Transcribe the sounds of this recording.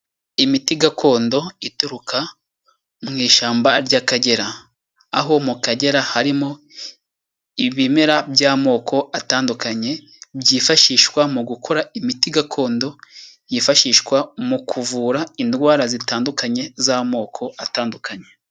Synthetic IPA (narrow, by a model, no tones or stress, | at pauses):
imitiɡakʰo̞ːndo̞ituɾuka | mŋiːʃaːmbaɾɟakaɟe̞ɾaː | ɦo̞mukaɟe̞ɾahaɾimo̞ | iβimeɾabjaːmo̞ːkʰo̞ataːndukaɲe̞ | bjiːfaʃiːʃkwamuɡukʰo̞ɾaimitiɡakʰo̞ːndo̞ | jifaʃiːʃkwamukʰuvuːɾaindɡwaːɾazitaːndukaɲe̞zaːmo̞ːkʰo̞ataːndukʰaɲe̞